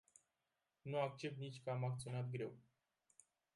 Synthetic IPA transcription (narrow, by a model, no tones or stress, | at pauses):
nuak̚t͡ʃe̞p̚t̪nit͡ʃʲkəamak̚t̪sio̞nat̪ɡɾe̞w